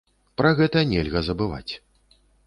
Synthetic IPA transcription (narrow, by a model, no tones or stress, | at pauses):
pɾɐɣɛt̪ɐnʲɛlʲɣɐzɐbɨva̰t͡sʲ